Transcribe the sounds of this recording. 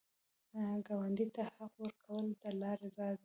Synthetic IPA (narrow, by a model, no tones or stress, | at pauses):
ɡawand̪it̪ahaqwəɾkʰawəld̪əlɑɾezɑjd̪